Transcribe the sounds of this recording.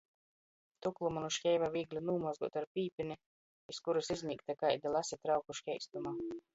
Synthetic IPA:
t̪uklˠumanuʃcʲɛjvaviːɡlʲunuːmazɡuɔt̪aɾpʲiːpʲinʲi | iskuɾusizʲmʲiːkt̪akajd̪alˠasʲit̪ɾawkuʃkʲɛjst̪uma

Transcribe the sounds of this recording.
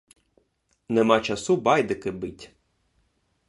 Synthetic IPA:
nɛmɑt͡ʃɐsubɑjd̪ɪkɪbɪtʲ

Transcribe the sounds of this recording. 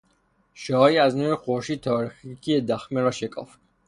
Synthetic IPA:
ʃɔːiaznuɾiχɔʃit̪ʰɔɾχikʰiɛd̪aχmɛɾɔʃɛkʼɔ̰f

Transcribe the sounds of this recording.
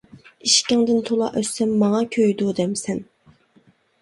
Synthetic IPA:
iʃkʲɑŋd̪ɪnt̪ʰolˠɑ̰ʔøsɛmːɑŋɑkʲʰøjd̪ud̪ɛmsɛn

